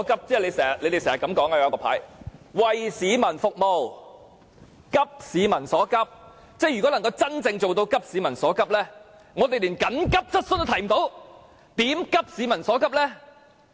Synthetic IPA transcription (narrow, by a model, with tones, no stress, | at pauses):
kɐ˥p̚t͡sɛː˥˩le˨˧jsɛː˨˩˨le˨˧jt̪e˨sɛː˨˩hɐ˨˩kɐ˨˦mkɔː˨˥ŋaː˧jkɔː˧pʰa̰ː˨˥jwɐ˨jsiː˨˧mɐ˨˩nfʊ˨k̚mo˨w | kɐ˥p̚siː˨˧mɐ˨˩nsɔː˨˥kɐ˥p̚ | t͡sɛː˥˩jyː˨˩kɔː˨˥lɐ˨˩ŋkɐ˧wt͡sɐ˥nt͡sɪ˧ŋt͡so˨wt̪o˧wkɐ˥p̚siː˨˥mɐ˨˩nsɔː˨˥kɐ˥p̚lɛː˥ | ŋɔ˨˧t̪e˨jliː˨˩nkɐ˨˥nkɐ˥p̚t͡sɐ˥t̚sə˥nt̪ːt̪ʰɐ˨˩jm˨˩t̪o˨˥w | t̪iː˨˥mkɐ˥p̚siː˨˧˥mɐ˨˩nsɔː˨˥kɐ˥p̚lɛː˥